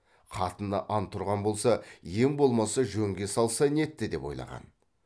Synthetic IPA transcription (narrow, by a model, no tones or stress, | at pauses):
qʰɑt̪ənd̪ɑ̰ʔɑnt̪ʰʊɾʁɑnbo̞lˠsɑje̞ŋbo̞lˠmɑsɑʒɵŋɡʲe̞sɑlˠsɑne̞t̪ːɪd̪e̞po̞̰jlˠɑ̰ʁɑ̰n